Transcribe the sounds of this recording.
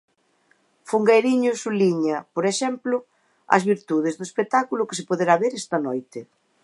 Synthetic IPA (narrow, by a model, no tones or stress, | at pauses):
fuŋɡejɾiɲʊsuliɲɐpoɾeʃɛmplʊ | ɐ̰zβiɾt̪uð̞ezðʊespek̚t̪akulʊkes̬epoðeɾaβeɾɛst̪ɐnojt̪ɪ